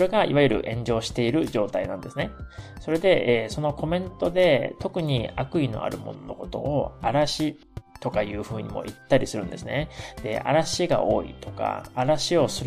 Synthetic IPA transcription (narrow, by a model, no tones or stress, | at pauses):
ɾe̞ɡaiβajɯ̟ɾɯ̟̰ʔẽ̞ɲ̟d͡ʑo̞ːɕi̥t̪e̞iɾɯ̟ʑo̞ːt̪ainãnd̪e̞sɨne̞so̞ɾe̞d̪e̞ʔeːso̞no̞ko̞mẽ̞nt̪o̞d̪e̞t̪o̞kɯ̟ɲ̟iakɯ̟ino̞̰a̰ɾɯ̟mo̞̰nonoko̞t̪o̞̰ːaɾaɕi | t̪o̞kajɯːɸɯ̟ːɲ̟ḭmo̞̰ʔit̪ːaɾʲisɨɾɯ̟̃nd̪e̞sɨned̪̥e̞̰a̰ɾaɕiɡa̰ʔo̞ːḭt̪o̞̥ka̰ːɾaɕio̞sɨɾ